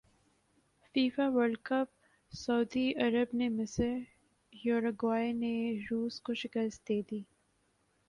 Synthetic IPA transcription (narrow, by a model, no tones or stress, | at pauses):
fiːfaʋəɾlkəp̚ | sɐʊd̪iɐɾəbnemɪsəɾ | jɔːɾəɡwaːjneɾuːskoʃɪkəst̪̚d̪eːd̪iː